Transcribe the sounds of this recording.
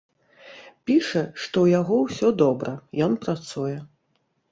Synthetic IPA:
pʲiʂɐʂt̪ɔwjaɣɔwsʲɔd̪ɔbɾɐjɔnpɾat̪sujɛ

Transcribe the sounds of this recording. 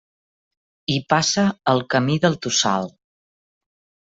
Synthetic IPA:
ipasəːlˠkəmiðəlˠt̪usa̰lˠ

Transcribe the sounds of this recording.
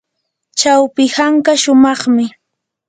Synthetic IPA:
t͡ʃawpɪhaŋkaʃʊmɑχmɪ

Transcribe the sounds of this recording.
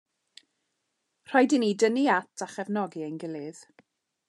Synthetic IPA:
r̥ajdinidəniatʰaχɛvnɔɡiənɡɪlˠɪð̥

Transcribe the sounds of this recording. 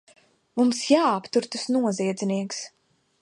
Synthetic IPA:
mumsjaːpt̪uɾt̪usnuɔziɛd̪ziniɛks

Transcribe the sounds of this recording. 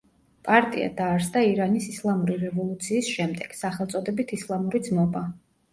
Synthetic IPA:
pʼaɾt̪ʼḭa̰d̪aːɾsd̪aiɾanisislˠamuɾiɾɛvɔlˠut̪sʰiːsʃɛmd̪ɛɡ̥saχɛlˠt̪sʼɔd̪ɛbit̪ʰislˠamuɾid̪zmɔba

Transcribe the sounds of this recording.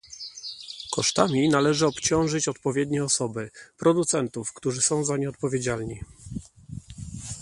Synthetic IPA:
kɔʂt̪amʲinalɛʐɘɔpt͡ɕɔ̃w̃ʐɘt͡ɕɔt̪pɔvʲjɛd̪ɲɛɔsɔbɘpɾɔd̪ut̪sɛnt̪ufkt̪uʐɘsɔ̃w̃zaɲɛɔt̪̚pɔvʲjed͡ʑalɲi

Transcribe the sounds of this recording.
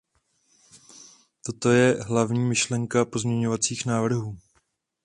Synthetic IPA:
t̪o̞t̪o̞jɛɦlavɲiːmɪʃlɛŋkapo̞zmɲɛɲo̞vat͡siːxnaːvr̩ɦuː

